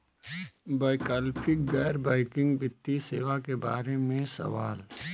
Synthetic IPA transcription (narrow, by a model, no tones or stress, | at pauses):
baːɪkaːlpʰɪk̚ɡɛːɾbaːɪkɪ̃ŋɡbɪt̪ːiseːʋakeba̰ːɾemẽsɐ̰ʋaːl